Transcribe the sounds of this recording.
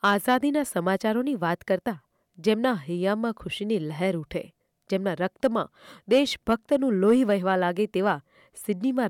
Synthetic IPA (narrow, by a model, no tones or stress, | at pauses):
azad̪inasəmat͡ʃaɾoniʋat̪kəɾt̪a | d͡ʒemnaɦijamãkʰʊʃinilɛɦɛɾuʈʰḛ | d͡ʒemnaɾək̚t̪əmã̰d̪eʃbʱək̚t̪ənũloɦiʋəɦʋalaɡet̪eʋa | sɪɖnimã